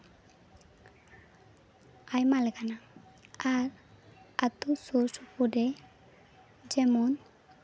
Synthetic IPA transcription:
ajmaleɡana | aɾat̪ususupude | d͡ʒɛmon

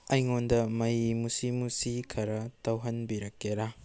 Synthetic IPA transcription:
ɐjŋondɐmɐjimusimusikʰɐɾɐtʰɐwɦɐnbiɾɐkːeɾa

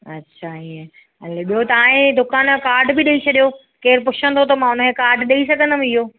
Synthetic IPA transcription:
ɐtːɕʰʃʰaiə | ɐleɓiɦot̪ɐaːɦẽd̪ʊkaːnkaːɾɖbɪɗɐit͡ɕʰɐɗijo | keːɾpʊt͡ɕʰə̃nt̪ʰot̪̬ɐmãʊnəkʰẽkaːɾɖɗɐisɐɡʱə̃nd̪əm̃ɪɦoː

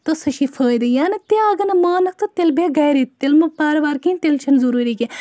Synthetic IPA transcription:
t̪osɐʃifʰəːjd̪ɨjaːnit̪eaɡɐnɐmaːnɐk̚t̪ɐt̪elbeɡɐjɾit̪elmɐpaːɾbaːɾkinʲt̪elt͡ʃʰɐnzuɾuːɾike

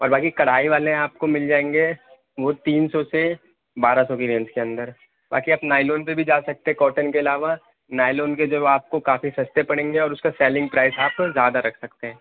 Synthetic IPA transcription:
ɔːɾbaːkikɐɽ̤aːiʋaːleaːp̚komɪld͡ʒaːẽːŋɡe | ʋot̪iːnsɔse | baːɾasɔːkiɾẽːnskeɐ̃nd̪əɾ | ba̰ːkiaːpnaːɪloːnpebʱid͡ʒaːsɐk̚t̪eɦɛ̃kɔːʈənkeɐlaːʋa | naːɪloːnked͡ʒoaːp̚kokaːfisɐst̪epɐɽ̃ẽːŋɡeɔːɾʊskasɛːlɪ̃ŋɡpɾaːɪsaːpzjaːd̪aɾɐkʰsɐkt̪eɦɛ̃ː

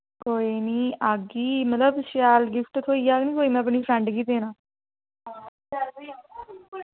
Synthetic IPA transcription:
koːiːniːaːɡiːmət̪ləbʃjaːlɡɪfʈt̪ʰoːiːaːɡnĩːkoːiːmɛ̃ːəp̬niːfʰɾɛ̃ɳɖɡiːd̪eːnãː

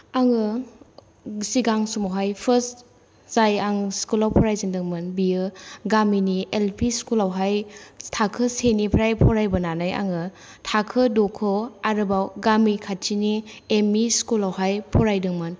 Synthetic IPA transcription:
aŋɯ | siɡaŋsumaɦajpʰɯs | zajaŋskulawpʰɔɾajzindɯŋmɯnbijɯɡaminiʔelpʰiskulawɦajtʰakʰɯsenipʰɾajpʰɔɾajbɯnanaja̰ŋɯ | tʰakʰɯdokʰɯaɾɯbawɡamikʰat͡ʃiniemiskulawɦajpʰɔɾajdɯŋmɯn

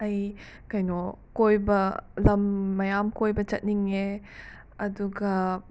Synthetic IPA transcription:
ɐj | kɐjnokojbɐlɐmːɐjamkojbɐt͡ʃɐt̚niŋe | ɐduɡɐ

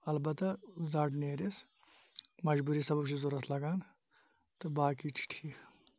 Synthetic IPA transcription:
ɐlbɐt̪ɐzɐʈneːɾis | mɐd͡ʒbuːɾisɐbɐbʃʰizuɾɐt̪ʰlɐɡaːn | t̪ɨbaːkit͡ʃʰi̥ʈʰiːk

